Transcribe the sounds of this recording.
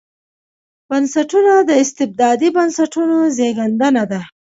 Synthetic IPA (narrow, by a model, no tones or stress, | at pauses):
b̥ənsaʈunad̪əɪst̪ɪb̚d̪ɑd̪ibansaʈunozeɡand̪ənad̪a